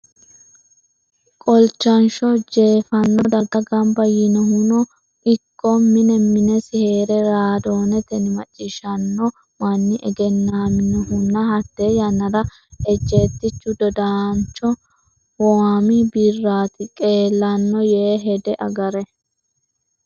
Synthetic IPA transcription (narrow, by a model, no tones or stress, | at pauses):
kʼɔlt͡ʃːɐnʃɔd͡ʒe̞ːfɐnːɔd̪ɐɡɐɡɐmbɐjːɪnɔhʊnɔ | ɪkʰːɔmɪnɛmɪnɛsɪhe̞ːɾɛɾaːd̪o̞ːnɛt̪ɛnɪmɐt͡ʃʼːɪʃɐnːɔ | mɐnːɪʔɛ̰ɡɛnːaːmɪnɔhʊnːɐhɐt̪ːeːjɐnɐɾɐ | ɛd͡ʒe̞ːt̪ːɪt͡ʃːʊd̪ɔd̪aːnt͡ʃɔ | waːmɪbɪrːaːt̪ɪkʼe̞ːlːɐnːɔjeːɦɛd̪ɛʔɐɡɐɾɛ